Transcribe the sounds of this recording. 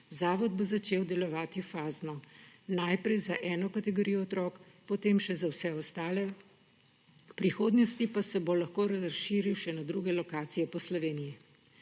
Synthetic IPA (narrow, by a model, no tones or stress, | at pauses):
zaːʋɔd̪̚bozat͡ʃeːwd̪ɛlɔʋaːt̪ifaːznɔnajpɾɛjzaʔɛːnɔkat̪ɛɡoɾijɔɔt̪ɾɔːkpɔt̪eːmʃɛzawsɛɔst̪aːlɛ | pɾixoːd̪nɔst̪ipasɛbolaxkoːɾaʃiːɾiwʃɛnad̪ɾuːɡɛlɔkaːt̪sijɛpɔslɔʋeːniji